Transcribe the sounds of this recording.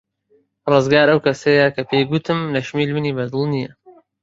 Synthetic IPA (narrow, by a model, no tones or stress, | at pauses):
rˤɨzɡaːɾɐwkɐsɐjɐkɐpʰeːjɡut̪ɨmlɐʃmiːlmɨniːbɐd̪ɨlˠnijɐ